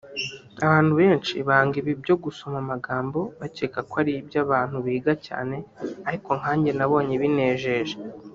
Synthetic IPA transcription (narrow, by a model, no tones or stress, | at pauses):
aβaːn̥huβe̞ːnt͡ʃiβaːŋɡiβibɟo̞ɡuso̞mamaɡaːmbo̞βacekakwaɾibjaβaːn̥huβiːɡaca̰ːne̞aɾiko̞ŋhaːɲɟe̞naβo̞ːɲe̞βine̞ːʒe̞ːʒe